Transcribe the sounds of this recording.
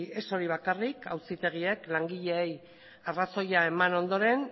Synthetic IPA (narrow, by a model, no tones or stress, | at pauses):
e̞so̞ɾiβ̞akarika̰wsit̪e̞ɣ̞ie̞klaŋɡiʎe̞ːj | araso̞jae̞mano̞nd̪o̞ɾe̞n